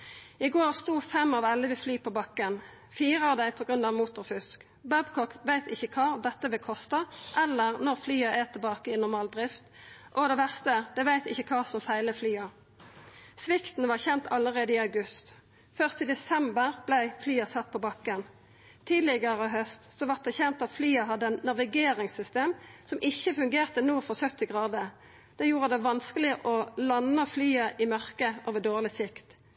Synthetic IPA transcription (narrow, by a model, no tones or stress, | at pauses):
ɪɡoːʁst̪uːfɛmɑʋɑlːəʋɪflyːpʰoːbɑkːən | fiːʁəɑd̪æɪpʰɔːɡʁʉnɑʋmuːt̪ʊʁfʏsk | bæbkʰɔkʋæɪt̪ɪçəkʰɑːd̪ɛt̪ːəʋɪlkʰɔst̪əʔɛlːəʁnɔʁflyːəʔɛt̪ʰɪlbɑːkəɪnɔʁmɑːld̪ʁɪft̪ʔɔd̪ɛʋæʁst̪əd̪ɛʋæɪt̪ɪçːəkʰɑːsɔmfæɪləflyːɑ | sʋɪkt̪n̩ʋɑʁçɛnt̪ʰɑləʁeːd̪əiːɑʉɡʉst̪ | fœʁst̪id̪ɛsɛmbəʁblæɪflyːɑsɑt̪̚ːpʰɔbɑkːən | t̪ʰiːd̪lɪɡəʁɔɦœst̪sɔʋɑt̪̚d̪ɛçɛnt̪ɑt̪flyːɑɦɑd̪ːənnɑʋɪɡeːʁɪŋsʏst̪eːmsɔmʔɪçːəfʉŋɡeːʁt̪ənuːfɔʁsœt̪ːɪɡʁɑːd̪ə | d̪̥ɛjuːʁəd̪ɛʋɑnskəlɪʔɔlɑnəflyːəʔɪmœʁkəʔoːʋəd̪oːʁlɪsɪkt̪